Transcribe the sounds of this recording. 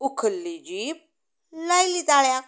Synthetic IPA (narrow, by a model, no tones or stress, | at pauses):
ʊkʰəlːid͡ʒiːp̚ | lailit̪aːɭja